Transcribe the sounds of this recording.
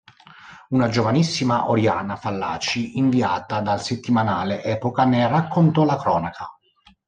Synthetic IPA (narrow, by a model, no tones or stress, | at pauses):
unad͡ʒovanisːimaʔoɾjaːnafalːa̰ːt͡ʃiʔiɱviaːt̪ad̪alset̪ːimanaːleʔɛːpokanɛrakʰːont̪ɔlakɾɔːnakʰa